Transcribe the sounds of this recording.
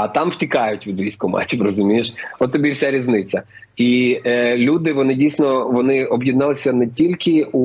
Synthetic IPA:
ɐt̪ɑmw̥tʲikɑjʊtʲʋʲid̪ʋʲijsʲkʊmɑ̰tʲipɾɔzʊmʲijeʃɔt̪ːɔbʲiwsʲaɾʲiznɪt͡sʲɐ | ilʲud̪ɪʋɔnɪdʲijsʲnɔʋɔnɪɔbjid̪nɑlˠɪsʲɐnɛtʲilʲkɪu

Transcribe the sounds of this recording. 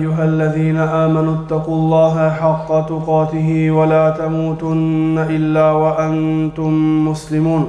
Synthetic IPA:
jːʊɦalːaðiːnaʔaːmanʊt̪ːɑquːlˤːɑːɦaʔħɑqːɑt̪ʊqɑːt̪ɪɦɪwalaːt̪amuːt̪ʊnːaʔɪlːaːwaʔant̪ʊmːʊslɪmuːn

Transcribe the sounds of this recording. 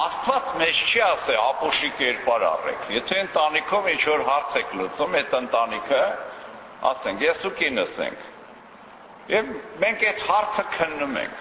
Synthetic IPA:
ɑst̪vɑt͡smɛt͡ʃʰt͡ʃʰiɑsɛlɑpuʃikɛɾpɑɾɑ̰rɛ̰kʰjɛt̪ʰɛənt̪ɑnikʰɔvint͡ʃʰvɔɾɦɑɾt͡sʰɛkʰlut͡sumɛt̪ənt̪ɑnikʰə | ɑ̰sɛŋkʰjɛsukinəsɛ̰ŋkʰ | jɛvmɛŋkʰɛt̪hɑɾt͡sʰəkʰənːumɛ̰ŋkʰ

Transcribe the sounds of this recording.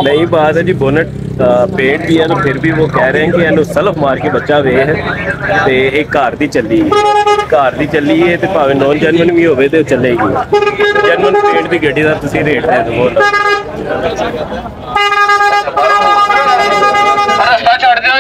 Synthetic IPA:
nəĩːbaːd̪ɛ̃d͡ʒiːboːnəʈ̚ | pẽːɳʈ̚biːɛːnũːpʰɪɾbiːʋoːkɛːɾeɛ̃ːkɪɛːnũːsələpʰmaːɾkeːbətːʃaːʋeːɦɛːt̪eːeːkːaːɾd̪iːt͡ʃəliːɛːkaːɾd̪iːt͡ʃəlːiːɛːt̪eːpaːʋeːnɔ̃ːnd͡ʒɛːnmənũːʋĩːɦoːʋeːt̪eːt͡ʃəleːɡi | d͡ʒənmənũːpẽːɳʈ̚biːɡəɖiːd̪aːt̪ʊsĩːɾeːʈd̪eːt̪eʋoːnə | t͡ʃʰoɽ

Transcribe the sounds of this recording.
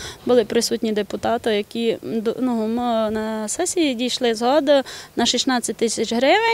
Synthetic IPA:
bʊlˠɪpɾɪsutʲnʲid̪epʊt̪ɑt̪ɔjɐkʲid̪numnɐsɛsʲidʲijʃlˠɪzɦɔd̪nɐʃisʲnɑt͡sʲːɐt̚ʲt̪ɪsʲɐt͡ʃɦɾɪʋɪ

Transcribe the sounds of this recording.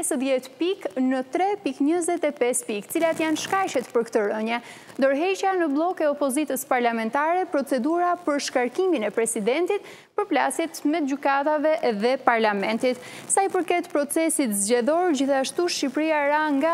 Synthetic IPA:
ɛsðjɛt̪piknət̪ɾɛpikɲəzɛt̪ɛpɛspik̪ət͡silat̪janʃkaʃɛt̪pəɾkt̪əɾəɲɛ | d̪ɔɾɦɛt͡ɕanəblˠɔkɛɔpɔzit̪əspaɾlamɛnt̪aɾɛpɾɔt͡sɛd̪uɾapəɾʃkaɾkiminɛpɾɛsid̪ɛnt̪it̪̚ | pəɾplasjɛt̪mɛt̪̚ɟykat̪avɛðɛpaɾlamɛnt̪it̪ | sajpəɾkɛt̪pɾɔt͡sɛsit̪zɟɛðɔɾd͡ʑiθaʃt̪uʃipɾiaɾaŋɡa

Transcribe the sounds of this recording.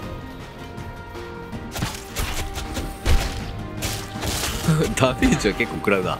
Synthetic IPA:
d̪ãɸiːt͡ɕiβake̞kːoːkɯ̟ɾaβɯ̟na̰

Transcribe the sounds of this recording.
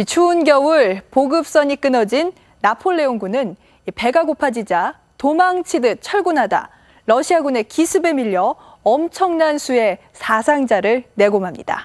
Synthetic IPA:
it͡ɕʰuːnɡjʌuɭpoɡɯp̚s͈ʌɲik͈ɯnʌd͡ʑinː | apʰoɭːe̞onɡunɯn | ipe̞ɡaɡopʰad͡ʑid͡ʑa | tomaŋt͡ɕʰidɯt͡ɕʰʌɭɡunɦada̰ | ɾʌɕʰiaɡune̞kisʰɯbe̞miʎːʌ | ʌmt͡ɕʰʌŋnansʰue̞ | sʰasʰaŋd͡ʑaɾɯɭne̞ɡomɦamɲḭda̰

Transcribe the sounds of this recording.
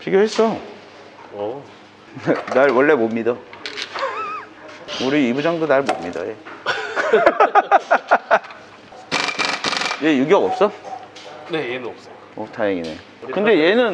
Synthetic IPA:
pʰiɡjoɦes͈ʌ | nenaɭwʌɭːe̞momɲida | uɾiibud͡ʑaŋdonaɭmo̰mɲida̰je̞ | je̞juɡijʌʌp̚s͈ʌ | n | otʰajeŋine̞̰ | kɯnde̞je̞nɯn

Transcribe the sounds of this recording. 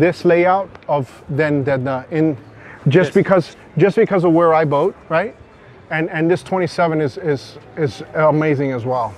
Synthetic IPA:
ðɪsleɪaʊɾ̚ʌv | ðɨ̃nðɨʌɪ̃n | d͡ʒʌsb̥ɨkʰʌz | dd͡ʒʌsb̥ɨkʰʌzʌvwə˞aɪboʊt̚ɹaɪt̚ | ɨ̃nɨ̃nðɪstʰw̥ɛ̃ɾ̃isɛvɨ̃nɨzɪzɪzəmeɪzɪ̃ŋɨzwɛlˠ

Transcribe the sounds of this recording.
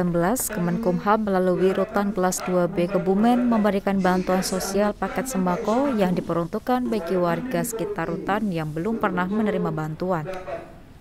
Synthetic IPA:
əmbəlaskəmənkumɦamːəlaluwiɾut̪ankəlasduabekəbumɛnməmbəɾikanbant̪uansosialpakɛt̪̚səmbakojaŋdipəɾunt̪ukanbaikiwarɡasə̥kit̪arːut̪anjaŋbəlʊmpərnahmənəɾimabant̪uan

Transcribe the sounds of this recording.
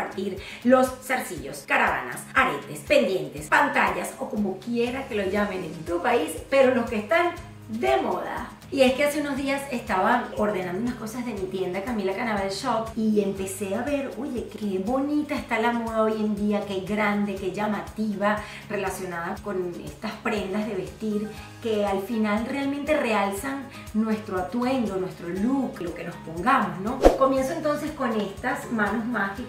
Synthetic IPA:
aɾt̪iɾ | lo̞sːaɾsiʝo̞skaɾaβa̰na̰saɾe̞̰t̪e̞spe̞nd̪je̞nt̪e̞spant̪aʎaso̞ko̞mo̞kje̞ɾake̞loʝame̞nent̪upaispe̞ɾo̞lo̞skeːst̪an | d̪e̞moða̰ | ie̞ske̞ase̞uno̞zðiase̞st̪aβao̞ɾðe̞nãnd̪ounasko̞sazðe̞mit̪je̞nd̪akamilakanaβalʃopie̞mpe̞se̞aβe̞ɾo̞ʝe̞keβo̞nit̪aest̪alamo̞ðao̞je̞nd̪iakeɡɾand̪e̞ke̞ʝamat̪iβa | re̞lasjo̞naðakone̞̰st̪aspɾe̞nd̪azðe̞β̞e̞st̪iɾ | ke̞alfinalre̞almẽ̞nt̪e̞re̞alsaŋ | nwe̞st̪ɾoat̪we̞ŋd̪onwe̞st̪ɾo̞luklo̞ke̞no̞spo̞ŋɡamo̞sno̞ko̞mje̞nsoent̪o̞nse̞sko̞ne̞st̪asmãno̞zmaske

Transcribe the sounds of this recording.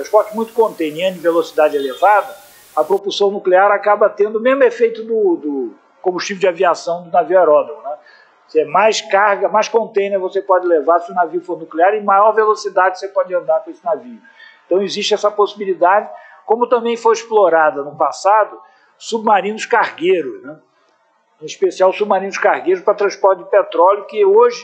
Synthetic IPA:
ɐ̃ʃpɔɾt͡ʃɪmũj̃t̪ʊ̥kõnt̪ẽj̃niɐ̃d͡ʒɪvelosid̪ad͡ʒɪelevad̪ɐ | ɐpɾopuɾsɐ̃w̃nukleaɾakabɐt̪ẽnd̪ʊmezmʊefejt̪ʊd̪ʊd̪ʊ | kõmbuʃt͡ʃivʊd͡ʒɪaviasɐ̃w̃d̪ʊnaviuaɾɔd̪oʊnɛ | seɛmajskaɾɡɐmajskõnt̪ẽj̃neɾvosepɔd͡ʒɪlevaɾsɪʊnaviʊfoɾnukleaɾɪmajɔɾvelosid̪ad͡ʒɪosepɔd͡ʒɪɐ̃nd̪aɾkõesɪnaviʊ | ẽt̪ɐ̃w̃ɪziʃt͡ʃɪɛsɐposibilid̪ad͡ʒɪ | kõmʊt̪ɐ̃mbẽj̃foɾisploɾad̪ɐnʊpasad̪ʊ | sub̚maɾĩnʊskaɾɡejɾʊznɛ | ẽispesiawsub̚maɾĩnʊskaɾɡejɾʊʃpɾɐt̪ɾɐ̃spɔɾt͡ʃɪd͡ʒɪpet̪ɾɔljʊkɪoʒɪ

